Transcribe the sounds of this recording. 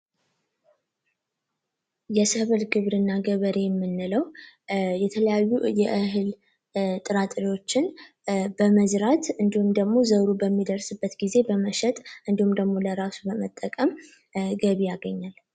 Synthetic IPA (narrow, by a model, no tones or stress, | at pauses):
jɛsəβɨlɡɨβɾɨnːaɡəβəɾejɛmːɨnːɨləw | jɛt̪ʰələjajːujɛʔɨɦɨl | t̪ʼɨɾat̪ʼɾiwo̞t͡ʃːɪn | bəməzɾat̪ɨnd̪ihumd̪əɡmo̞zəwɾubəmːid̪əɾsɨbːət̪ɡize̞bəməʃɛt̪ʼʔɨnd̪ihumd̪əɡmo̞ləɾasubəmət̪ʼːəkʼəm | ɡəβijaɡəɲːal